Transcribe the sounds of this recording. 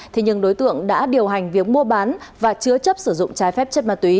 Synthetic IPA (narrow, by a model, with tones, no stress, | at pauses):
t̪ʰe˨˦ɲɨ˧ŋɗo˨˦jt̪ɨ̰˧˨əŋɗa̰ː˧˥ɗi˨˩əwɦa˨˩ŋ̟vi˨˩ək̚mu˧əɓaː˨˦nvaː˨˩t͡ɕɨ˧ət͡ɕə˦˥p̚sɨ˧˩zʊ̰˧˨ŋ͡mt͡ɕaː˨˦jfɛ˦˥p̚t͡ɕə˦˥t̚maː˨˧˩t̪wi˨˦